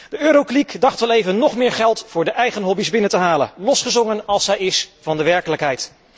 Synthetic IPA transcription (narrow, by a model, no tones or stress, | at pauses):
d̥əøːɾoklikdɑχtʋɛlejvənːɔχmɪːɹχɛlˠtfʊːɹdəʔɛjχənɦɔbizbɪnəntəɦaːlə̰nlɔsχəzɔŋənɑlˠsɛjɪsvɑndəʋɛɹkələkɦɛjt